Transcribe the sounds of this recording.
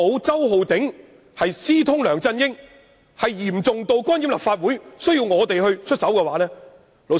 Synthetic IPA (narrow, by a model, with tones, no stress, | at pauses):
o˨˧wt͡sɐ˥wɦo˨˧wt̪ɪ˨˥ŋ | hɐ˨jsiː˥t̪ʰʊ˥ŋlœː˨˩ŋt͡sɐ˥njɪ˥ŋ | hɐ˨jjiː˨˩mt͡sʊ˨ŋt̪o˨˧wkɔː˥nji˨˥mlɐ̰˨˩pfaː˧t̚wu˨˥jsɵ˥ɥjiː˧wŋɔː˨˧t̪e˨jhɵ˧ɥt͡ʃʰɵ˥t̚sɐ˨˥wkɛː˧waː˨˧˥lɛː˥ | lo˨˧